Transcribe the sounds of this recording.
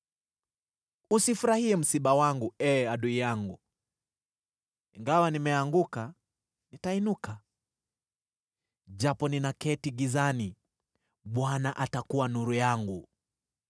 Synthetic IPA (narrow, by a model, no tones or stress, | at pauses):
usifuɾahiɛm̩siɓawaŋɡuɛaɗuijaŋɡṵ | iŋɡawanimɛaŋɡuka | nitainuka | d͡ʒapɔninakɛtiɡizani | ɓwanaʔatakuwanuɾujaŋɡu